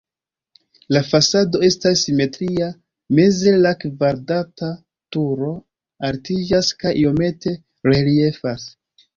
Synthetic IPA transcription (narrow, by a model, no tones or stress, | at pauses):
lafasado̞e̞stasːime̞tɾia | meze̞lakvaɾdata | tuɾo̞ | altid͡ʒaskajʔio̞me̞te̞ | ɾeɾie̞fas